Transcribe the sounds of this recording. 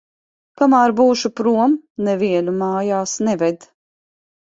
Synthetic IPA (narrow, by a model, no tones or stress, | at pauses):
kamaːɾbuːʃupɾuɔmnɛviɛlʲumaːjaːsnɛvɛd̪